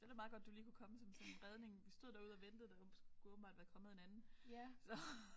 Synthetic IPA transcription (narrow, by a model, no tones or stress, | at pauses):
d̥e̥mɑ̈ðˠɡ̥ɒd̥̚d̥uliːkʰukʰɒ̽məsɒ̽msɒ̽nenʁɛð̞ˠne̝ŋʋisd̥o̝ð̞̰ˠd̥æɐuð̰ˠɒʋend̥ð̩ˠd̥æsɡ̥u̥ɡ̥uɔ̽bn̩mbɑ̈ːd̥ʋæɐkʰɒ̽məð̩ˠe̝nænn̩sɒ̽